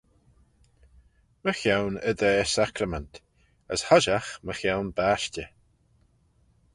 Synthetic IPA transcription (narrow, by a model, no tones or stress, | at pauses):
məxjawnəd̪ɛːsakɾəmɛnt | əshɔʒaxməxawnbaʃtə